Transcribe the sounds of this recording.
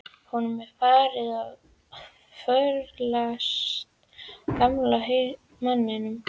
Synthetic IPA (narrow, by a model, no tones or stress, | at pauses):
hunʏmɛðfaːɾɪðav | fœɾlas | kamlaɦe | manːɪnʏm